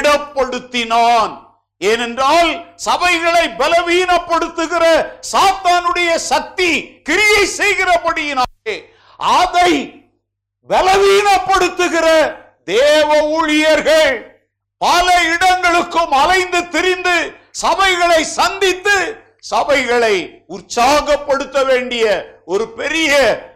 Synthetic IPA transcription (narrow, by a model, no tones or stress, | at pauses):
ɽɐpːɐɽɯt̪ːɪnaːn | ɛnɛndraːlsɐbɐɪɣɐɭɐɪbɛlɐʋiːnɐpːɐɽɯt̪ːɯɣɪrɐsaːt̪aːnɯɽɐjɐsɐk̚t̪ikɪɾɪjɐɪsɛjɣɪrɐpɐɽɪjɪnaːe | ʔɐðɐɪ | bɛlɐʋiːnɐpːɐɽɯt̪ːɯɣɪrɐ | d̪eːʋɐuːɻɪjɐɾɣɐɭ | pɐlɐɪɽɐŋɡɐɭɯkːɯmɐlɐɪnd̪ɯt̪ːɪɾɪnd̪ɯsɐbɐɪɣɐɭɐɪsɐnd̪ɪt̪ːɯ | sɐbɐɪɣɐɭɐɪʊrsaːɣɐpːɐɽɯt̪ːɐʋeːɳɖɪjɐɔɾɯpɛɾɪjɐ